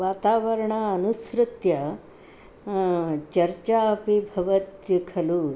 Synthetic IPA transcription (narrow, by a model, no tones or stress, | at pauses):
ʋaːt̪aːʋɐɾɐɳaɐnusɾɪt̪jɐ | t͡ʃɐɾt͡ʃaːɐpibʱɐʋɐt̪jɐkʰɐlu